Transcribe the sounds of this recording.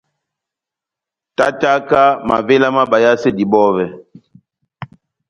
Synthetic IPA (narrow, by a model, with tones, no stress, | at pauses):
ta˦ta˦ka˦ma̰˨ve˦la˦ma˦ba˨ja˦se˦˨di˨bɔ˦vɛ˨